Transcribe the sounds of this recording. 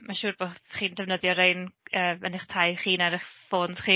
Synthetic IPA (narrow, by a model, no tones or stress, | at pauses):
maʃuːrboχiːndɛvnəðjɔɾejnəːmənɪχtʰajχiːnaɾɪχfoːnd̥χiː